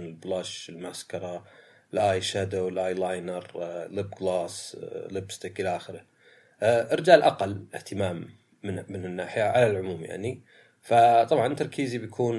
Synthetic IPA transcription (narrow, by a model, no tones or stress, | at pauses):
nɪlblɑʃɪlmaskɑɾˤɑ | ɪlʔaːjʃad̪owlʔaːjlajnɑɾˤlɪbɡlɑːslɪbst̪ɪkʔɪlaʔaxɪɾɪ | ʔʔɪɾɪd͡ʒaːlʔa̰qalːɪ̰ht̪ɪmaːmː | ɪnːɪnɪnːaːħɪjaʕalalʕʊmuːmja̰ʕni | fat̪ˤɑbʕɑnt̪ːɑɾˤkʰiːzibjakʰuːn